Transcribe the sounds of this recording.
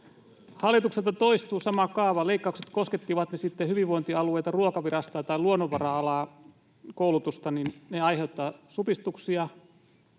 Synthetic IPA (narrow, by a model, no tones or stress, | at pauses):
hɑlːˑit̪ukselt̪ːɑt̪oist̪uːsɑmɑkɑːʋɑleikːɑukset̪kosket̪ːiʋɑt̪nesit̪ːehyʋiʋʋoint̪iɑlueit̪ɑruokɑʋirɑst̪ɑːt̪ɑiluonːoʋʋɑrɑɑlɑː | koulut̪ust̪ɑninneɑjɦe̞ut̪ːɑsupist̪uksiɑ